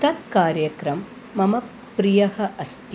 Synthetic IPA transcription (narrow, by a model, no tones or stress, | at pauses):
t̪ɐkkaːɾjɐkɾɐmː | ɐmɐ | pɾijɐhɐ̆ʔɐst̪